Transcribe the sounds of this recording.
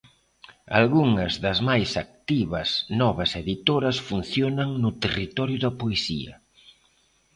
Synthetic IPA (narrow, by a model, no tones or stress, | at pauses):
a̰lɣuŋɐzðɐzmajsak̚t̪iβɐsnɔβɐseðit̪oɾɐsfunθjonɐŋnʊt̪erit̪ɔɾjʊðɐpoesiɐ̰